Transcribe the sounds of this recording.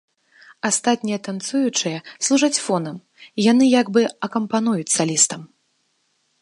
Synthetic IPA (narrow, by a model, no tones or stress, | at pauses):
ast̪at̪ʲnʲijɐt̪ant̪sujut͡ʂɨjɐslˠuʐat͡sʲfɔnɐm | jan̪ɨjaɡbɨɐkɐmpanujut͡sʲsalʲist̪ɐm